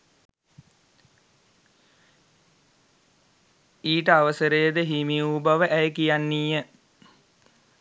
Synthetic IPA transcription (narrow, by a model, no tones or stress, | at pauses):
iːʈəaʋəsəɾəjəd̪əɦimiuːbaʋəʔæjəkijanːiːə